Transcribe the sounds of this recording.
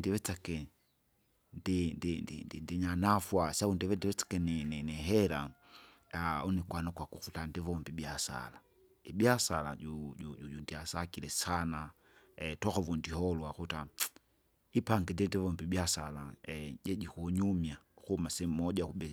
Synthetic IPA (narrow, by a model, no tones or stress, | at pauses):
ndiβɛt͡sakɛ | ndindindḭndindiɲanafwasaundiβɛndiwɛt͡sḁkɛnininiɦɛɾa | aunikwanakwakuxutandivɔmbibjasa̰la | ibjasala̰ujujujundiasakilɛsana | tɔxɔvundihɔlwaxuta | ipaŋɡɛndɛndivɔmbibjasalaɟɛd͡ʒikuɲumjauxumasɛmɔʄauɓɛ